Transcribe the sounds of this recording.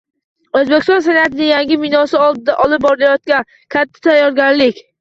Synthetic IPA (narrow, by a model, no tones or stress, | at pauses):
ozbekʲɪst̪ɒns̬enat̪ɪnɪŋjaŋɡʲɪmɪnɒsɪɒlˠd̪ɪd̪aʔɒlɪp̚bɒɾɪlajɒt̪̚kʲan | kʲʰat̪ʰːɪ̥t̪ʰajːɒɾɡʲaɾlɪkʲ